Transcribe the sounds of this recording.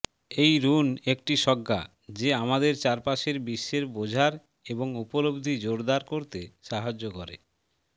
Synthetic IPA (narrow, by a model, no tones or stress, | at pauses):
ejɾunek̚ʈiʃɔɡːa̰ | d͡ʑeamad̪eɾt͡ɕaɾpaʃeɾbiʃːeɾbod͡ʑʱaɾ | eboŋupolobd̪ʱid͡ʑoɾd̪aɾkoɾt̪eʃaɦad͡ʑːokɔɾḛ